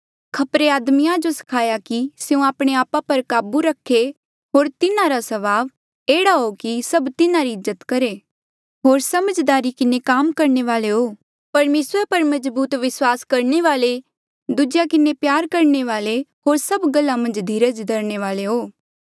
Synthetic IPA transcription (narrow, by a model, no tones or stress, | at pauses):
kʰɐpɾeaːd̪mijãd͡ʒosɐ̥kʰaːjakiseũaːpɽ̃eaːpapɐɾkaːbuɾɐkʰːe | ɦoːɾt̪ɪnãɾasɐβaːʋ | eːɽaɦokisɐbt̪ɪnãɾiɪzːət̪kɐɾe | ɦoːɾsɐməd͡ʒd̪aːɾikɪnekaːmkɐɾɳeʋaːleɦoː | pɐɾmeːsɾpɐɾmɐzbuːt̪ʋɪswaːskɐɾneʋaːle | d̪ʊd͡ʒjakɪnepjaːɾkɐɾɳeʋaːleɦoːɾsɐbɡɐlːamɐ̃nd͡ʒd̪ʱiːɾəd͡ʒd̪ɐɾñeʋaːleɦoː